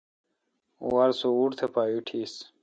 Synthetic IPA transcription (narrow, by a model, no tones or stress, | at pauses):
waɾsouɽt̪ʰepaːjuʈʰis